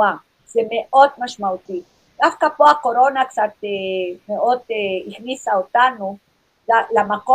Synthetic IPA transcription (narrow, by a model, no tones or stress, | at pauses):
a | semeʔot̪maʃmawt̪i | kafkapoakoɾonaksat̪emeʔot̪eixnisaot̪anu | alamaqo